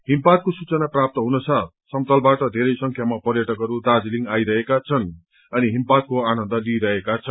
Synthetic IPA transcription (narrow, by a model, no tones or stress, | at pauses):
ɦimparkosut͡sʌnaprap̚t̪ʌɦunʌsʰʌ | sʌmt̪ʌlbaʈʌd̪ʱeɾʌjsʌŋkʰjamapʌrjʌʈʌkɦʌɾud̪ad͡zliŋajɾʌɦekat͡sʰʌn | ʌniɦimpakoanʌ̃nd̪ʌliɾʌɦekat͡sʰʌn